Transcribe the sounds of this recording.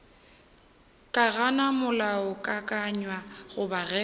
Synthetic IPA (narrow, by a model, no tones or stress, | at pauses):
kʼaɣanamʊlaɔkʼakʼaɲwaɣʊbaɣɛ